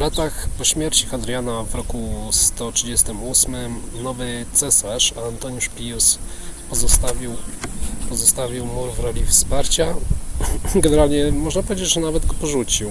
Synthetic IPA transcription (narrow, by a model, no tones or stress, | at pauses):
vlat̪axpɔɕmʲjɛɾt͡ɕixad̪ɾʲjanavɾɔkust̪ɔtʂɘd͡ʑɛst̪ɘmusmɘmnɔvɘt̪sɛsaʂant̪ɔɲuʂpʲiuspɔzɔst̪avʲiwpɔzɔst̪avʲiwmuɾvɾɔlʲifspaɾt͡ɕa | ɡɛnɛɾalɲɛmɔʐnap̬ɔvʲjed͡ʑɛt͡ɕʐɛnavɛd̪ɡɔpɔʐut͡ɕiw